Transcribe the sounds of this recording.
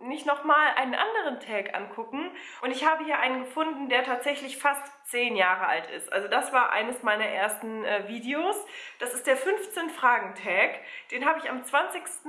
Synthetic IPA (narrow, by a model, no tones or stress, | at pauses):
nɪçtnɔχmaːlʔa̰ɪnənʔa̰ndəʁ̞əntʰɛːkʔa̰nkʰʊkŋ̩ | ʔʊntɪçhaːbəhiːɐʔaɪnənɡəfʊndn̩deːɐtʰaːtz̥ɛçlɪçfast | t͡seːnjaːʁəa̰ltɪ̰stʔa̰lzod̥asv̥aːɐʔa̰ɪnəsmaɪnɐʔeːɐstn̩ʔɛːviːdeoːsd̥asɪst̚d̥eːɐfʏnft͡seːnfʁ̥aːɡŋ̩tʰɛːkd̥eːnɦaːbəɪçamt͡sv̥ant͡sɪçstn̩